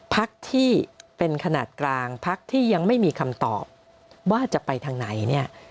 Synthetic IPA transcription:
pʰa˦˥k̚t̪ʰiː˥˩pe˧nkʰa˧naː˨˩t̪̚klaː˧ŋpʰa˦˥k̚t̪ʰiː˥˩ja˧ŋma˥˩jmiː˧kʰa˧mt̪ɔ̰ː˨˩p̚ | waː˥˩t͡ɕa˨˩pa˧jt̪ʰaː˧ŋna˩˦jni˥˩ɐ

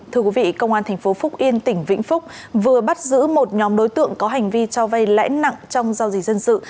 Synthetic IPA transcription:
t̪ʰɨ˧əkwi˨˦vḭ˧˨kə˧wŋ͡mʔaː˧nt̪ʰɛ˨˩ŋ̟fo˨˦fʊ˦˥k͡p̚ʔi˧ənt̪ï˧˩ŋ̟vḭ˧˥ŋ̟fʊ˦˥k͡p̚ | vɨ˨˩əɓa˦˥t̚zɨ̰˧˥mo˨˩t̚ɲɔ˨˦mɗo˨˦jt̪ɨ̰˧˨əŋkɔ˨˦ɦa˨˩jŋ̟vi˧t͡ɕɔ˧va˧jla̰ː˧˥jna̰˧˨ŋt͡ɕɔ˧wŋ͡mzaː˧wzi˨˩k̚zə˧nsɨ̰˧˨

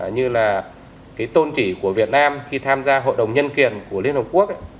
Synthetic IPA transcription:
ɲɨ˧laː˨˩ | kaː˨˦jt̪o˧nt͡ɕi˧˩ku˧˩əvi˨˩ət̚naː˧mxi˧t̪ʰaː˧mzaː˧ɦo̰˧˨jɗə˨˩wŋ͡mɲə˧nki˨˩ənku˧˩əli˧ənhk͡p̚ku˦˥ək̚ʔ

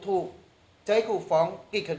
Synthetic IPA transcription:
t̪ʰuː˧˩ | t͡ɕa˦jkʰuː˧˩fɔ˨˦ŋki˨˩kʰːə˧˨d

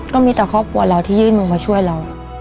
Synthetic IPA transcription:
kɔː˥˩miː˧t̪ɛː˨˩kʰɔː˥˩p̚kʰu˧ɐɾa˧wt̪ʰiː˥˩jɯː˥˩nmɯ˧˩ŋmaː˧t͡ɕʰu˥˩əjɾa˧w

